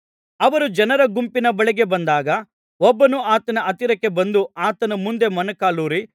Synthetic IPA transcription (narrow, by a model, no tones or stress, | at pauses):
ɐʋɐɾud͡ʒɐnɐɾɐɡumpinɐbɐɭiɡe̞bɐnd̪aːɡɐ | ɔbːɐnuaːt̪ɐnɐʔɐt̪iɾɐkːe̞bɐnd̪uaːt̪ɐnɐmund̪e̞mɐnɐkaːluːɾi